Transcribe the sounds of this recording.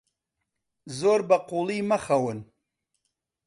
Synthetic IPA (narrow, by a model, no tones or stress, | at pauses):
zoːɾbaqulimaxawən